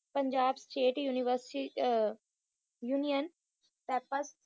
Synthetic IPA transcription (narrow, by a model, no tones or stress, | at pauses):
pə̃ɲd͡ʒaːbsʈeːʈjuːniʋəɾsʈi | juːnijən | pɛːpəs